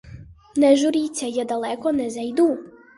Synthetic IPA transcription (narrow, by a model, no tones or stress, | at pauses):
neʒuɾit͡sajɛd̪alɛkonɛzajid̪u